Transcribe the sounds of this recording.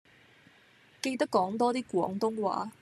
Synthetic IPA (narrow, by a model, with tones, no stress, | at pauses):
ke˧jt̪ɐ˥kːɔː˨˥ŋt̪ɔː˥t̪iː˥kʷɔ̰ː˨˥ŋt̪ʊ˥ŋwa̰ː˨˥˦